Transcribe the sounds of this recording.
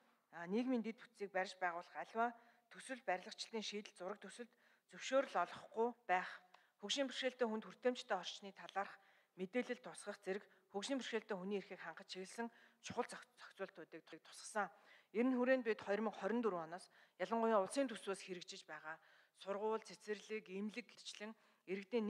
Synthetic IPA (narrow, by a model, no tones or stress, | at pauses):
niːkmint̪et̪put̪siːk̚pæɾʲɪ̆t͡ɕpæːʁʊːɮə̆χæɮʲwaː | t̪ʰɵswɘ̆ɮpæɾʲɮə̆kt͡ɕɪ̆ɮt̪iːŋʃiːt̪ɘ̆ɮt͡sʊɾə̆k̚t̪ʰɵsɘ̆ɮt̪ | t͡sɵwʃoːɾ̆ɮɔɮɞ̆χɡʊjpæːχ | xukʃiːmpʰi̥r̥ʃeːɬt̪eːxunt̪xur̥t̪eːm̥t͡ɕt̪ʰæːɔr̥t͡ɕniːt̪ʰaɮaːrχ | met̪eːɮɘ̆ɮt̪ʰːʊsχə̆χt͡seɾɘ̆k | xukʃiːmpʰir̥ʃeːɬt̪eːxuniːerxiːkχaɴɢə̆t͡ɕʃʰiɣɘ̆ɮsɘ̆ŋt͡ɕʰʊ̥χə̆t͡st͡sœ̥kʲt͡sʊːɬt̪ʰʊːt̪iːk̚t̪ʰʊk̚t̪ʰʊ̥sə̥̆sə̆ŋeɾɘ̆nxuɾeːnpet̪χɔjrmiːŋχɔɾʲɞ̆nt̪uɾɔnɔːsjaɮə̆ɴɢʊjiːŋʊɮsiːnt̪ʰu̥swoːsxeɾɘ̆kt͡ɕɪ̆t͡ɕpæːʁaː | sʊrʁʊːɮt͡sʰet͡sɘ̆rɮiːkimɮɘ̆kɡet͡ɕɮɘ̆ŋ | eɾɘ̆k̚t̪eːn